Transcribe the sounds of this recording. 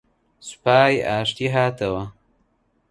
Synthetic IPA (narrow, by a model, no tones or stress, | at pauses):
spaːjaːʂt̪iɦat̪awa